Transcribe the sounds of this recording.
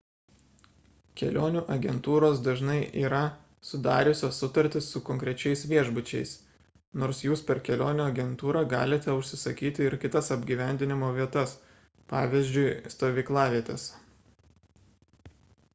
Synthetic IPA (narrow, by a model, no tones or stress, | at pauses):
kʲɛlʲoːnʲuːʔɐɡʲɛnt̪uːɾoːsd̪ɐʒnɐɪʔiːɾɐ | sʊd̪ɑːɾʲʊsʲoːsʊt̪ɐɾʲt̪ʲɪsːʊkɔŋʲkɾʲɛt͡ʃʲɛɪsʋʲiɛʒbʊt͡ʃʲɛɪs | noːɾsjuːspʲɛɾkʲɛlʲoːnʲuɐɡʲɛnt̪uːɾɑɡɑ̰ːlʲɪt̪ʲɛʊʃʲsʲɪsɐkʲiːt̪ʲɪɪɾkʲɪt̪ɐsɐbʲɡʲiːʋʲæˑnʲd̪ʲɪnʲɪmoːʋʲiɛt̪ɐs | pɑːʋʲɪzʲd͡ʒʲʊɪst̪oːʋʲiːklˠɑːʋʲiɛt̪ʲɛ̰s